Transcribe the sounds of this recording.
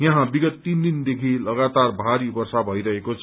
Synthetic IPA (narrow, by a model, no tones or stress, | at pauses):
jaɦãbiɡʌt̪ːind̪ind̪ekʰilʌɡat̪arbʱaɾibʌrsabʱʌjɾʌɦekot͡sʰʌ